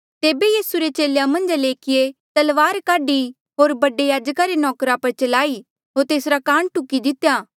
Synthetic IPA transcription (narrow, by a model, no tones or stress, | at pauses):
t̪eːbejiːsuɾet͡ʃeːljamɐ̃nd͡ʒleːkʰɪjet̪ɐlʋaːɾkaːɖi | ɦoːɾbɐɖejaːd͡ʒkaɾenɔːkɾapɐɾt͡ʃɐlaːi | ɦoːɾt̪eːsɾakãːɳ̃ʈʊkːid̪ɪt̪jaː